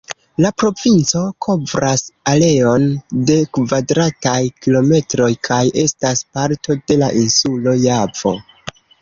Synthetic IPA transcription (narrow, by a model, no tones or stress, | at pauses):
lapɾo̞vint͡so̞kʰo̞vɾʔasale̞o̞nde̞kvadɾatajkilo̞me̞tɾo̞jkʰajʔe̞staspaɾto̞de̞laʔinsulo̞jav̥o̞̰